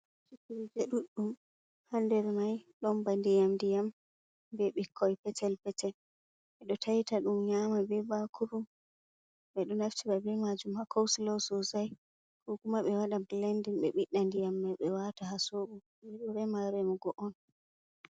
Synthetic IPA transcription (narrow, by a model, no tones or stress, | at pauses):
sikiɾid͡ʒeɗuɗːum | handɛɾmajɗɔnbandijamdijam | bɛɓikʰːɔjpɛtʰɛlpɛtʰɛl | ɓɛɗɔtʰajtaɗumɲamabɛbakʰuɾum | ɓɛɗɔnaft͡ʃiɓabɛmad͡ʒumhakʰɔwsilɔwsɔzaj | kɔkumaɓɛwaɗablandinɓɛɓiɗːandijamːɛɓɛwatahasoɓu | ɓɛɗɔɾɛmaɾɛmɔɡɔʔɔn